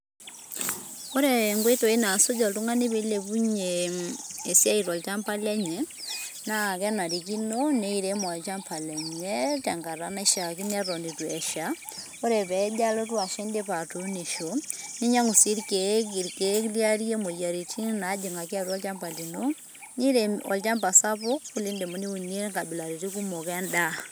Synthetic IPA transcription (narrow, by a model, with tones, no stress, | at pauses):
o˦ɾe˨ŋɡe˦to˨e˦na˨so˦d͡ʒɔ˨ltu˦ŋa˦ni˦be˨˦le˨pu˦ɲe˨e˨sja˦i˨ɾɔ˨lt͡ʃa˦mpa˦lɛ˦ɲɛ˨na˦˨kɛ˦na˨ɾi˨k̬i˦no˦ne˦i˦ɾe˦ma˨t͡ʃa˦mpʰa˨lɛ˨ɲɛ˦tɛ˨ŋɡa˨ɾa˨na˦i˦ʃa˨ki˦nɛ˦ɾɔ˨ndi˨twɛ˨ʃa˨ | o˦ɾe˨pɛ˨˦d͡ʒa˦lo˦t̬wa˨ʃe˦nde˦pa˨to˨ne˨ʃo˨ni˦ɲa˦ŋu˨si˦ɾke˨ki˨ɾke˨˦klja˦ɾi˦e˦mo˨ja˨ɾi˨t͡ʃi˦na˨˦d͡ʒi˨ŋa˨ki˦a˦ɾu˦ɔ˦lt͡ʃa˦mpa˨li˨no˦ | ni˦ɾeɔ̰˨lt͡ʃa˦mpa˨sa˦pʊ˦kːu˦li˦nde˨mo˨˦ni˦u˨ne˦ŋka˨bi˨la˨ɾi˨ɾi˦ku˦mo˨kɛ˦nda˦˨